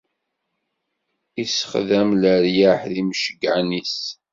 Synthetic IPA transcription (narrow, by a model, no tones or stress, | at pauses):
isə̥χðæmləɾjaħðimʃəɡʕnis